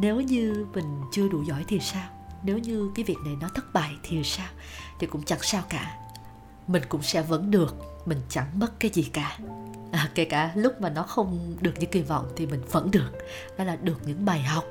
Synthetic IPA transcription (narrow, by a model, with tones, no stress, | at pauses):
ne˨˦wɲɨ˧mï˨˩ŋ̟t͡ɕɨ˧əɗu˧˩zɔ̰˧˩jt̪ʰi˨˩əwsaː˧wne˨˦wɲɨ˧kaː˨˦jvi˨˩ək̚na˨˩jnɔ˨˦t̪ʰə˦˥t̚ɓa̰ː˧˨jt̪ʰi˨˩əwsaː˧w | t̪ʰi˨˩kʊ̰˧˥ŋ͡mt͡ɕa˧˥ŋsaː˧wkaː˧˩ | mï˨˩ŋ̟kʊ̰˧˥ŋ͡msɛ̰˧˥və̰˧˥nɗɨ˨˩ək̚ | mï˨˩ŋ̟t͡ɕa˧˩ŋmə˦˥t̚kaː˨˦jzi˨˩kaː˧˩ | ʔəː˨˩ke˧˩kaː˧˩lʊ˦˥k͡p̚maː˨˩nɔ˨˦xə˧wŋ͡mɗɨ˨˩ək̚ɲɨ̰˧˥ŋki˧˩vɔ̰˧˨wŋ͡mt̪ʰi˨˩mï˨˩ŋ̟və̰˧˥nɗɨ˨˩ək̚ | ɗɔ˨˦laː˨˩ɗɨ˨˩ək̚ɲɨ̰˧˥ŋɓaː˨˩jɦa˨˩wk͡p̚